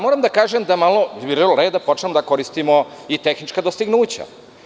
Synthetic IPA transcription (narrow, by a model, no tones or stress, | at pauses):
moɾamd̪akaːʒemd̪amalo̞iɾelɾe̞ːd̪apo̞t͡ʃnemod̪ako̞ɾist̪imo̞it̪e̞xnit͡ʃkad̪ost̪iɡnuːt͡ɕa̰